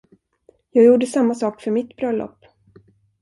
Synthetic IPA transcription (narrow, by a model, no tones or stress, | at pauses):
jɑːɡjuːɖəsamːasɑːkfœɾmɪt̪bɾœlːɔ̰pː